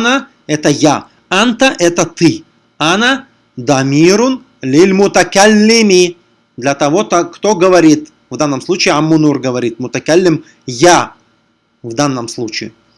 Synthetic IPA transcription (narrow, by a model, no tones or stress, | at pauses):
na | ɛt̪əja | ant̪əʔɛt̪ət̪ɨ | ana | d̪ɐmʲiɾʊn | lʲɪlʲmʊt̪ɐkalʲːɪmʲi | d̪lʲɐt̪ɐvot̪ɐkt̪oɡəvɐɾʲit̪ | vd̪anːəmslˠut͡ɕɪːɐmːunurɡəvɐɾʲit̪̚mʊt̪ɐkalʲːɪm | ja | vd̪anːəmslˠut͡ɕɪː